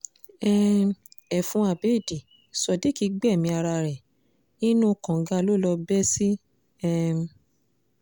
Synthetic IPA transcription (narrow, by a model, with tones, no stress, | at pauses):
ɛ̃˧ | ɛ˨fũ˨˧˦a˨be˦˨di˨ | sɔ˨di˨˦ki˧ɡ͡bɛ˦˨mĩ˧a˧ɾa˧ɾɛ˨ | nĩ˦nũ˦kã˨˦ɡa˧lo˦lɔ˧bɛ˦si˦ | ɛ̃˦˧